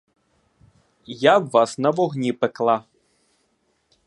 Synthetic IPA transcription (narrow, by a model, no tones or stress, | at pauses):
jawːasnɐʋɔɣnʲipɛklˠa